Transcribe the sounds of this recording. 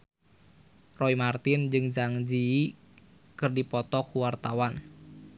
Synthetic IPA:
rɔimart̪ɪnd͡ʒɨŋd͡ʒaŋd͡ʒi | kɨrdipɔt̪ɔkuwart̪awan

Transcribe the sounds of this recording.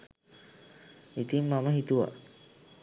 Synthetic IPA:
it̪imːamaɦit̪ua̰

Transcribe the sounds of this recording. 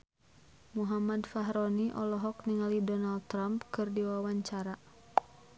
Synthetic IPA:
muɦamadfaɦɾɔniʔɔlɔɦɔk̚niŋalidɔnald̚t̪ːɾampkɨrdiwawaɲt͡ʃaɾa

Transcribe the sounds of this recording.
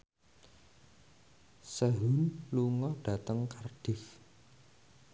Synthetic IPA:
səɦʊnluŋɔɖ̥a̤t̪əŋkarɖ̥ɪh

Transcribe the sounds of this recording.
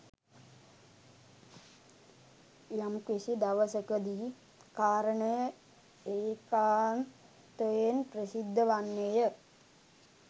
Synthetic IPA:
jamkʋisid̪aʋəsəkəd̪iː | kaːɾəɳəjə | eːkaːn | t̪ojenprəsid̪ʱːəʋanːejə

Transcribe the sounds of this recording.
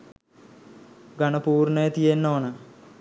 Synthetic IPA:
ɡɐɳɐpuːrɳejt̪ijenːoːɳɐ

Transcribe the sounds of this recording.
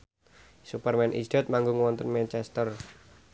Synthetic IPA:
supərmɛnʔḭsd̥ɛt̪̚maŋɡʊŋwɔnt̪ənmɛnt͡ʃɛst̪ər

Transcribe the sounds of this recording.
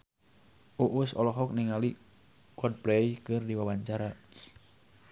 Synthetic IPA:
ʔuʔusɔlɔɦɔk̚niŋali | kɔd̚plɛjkɨrdiwawaɲt͡ʃaɾa

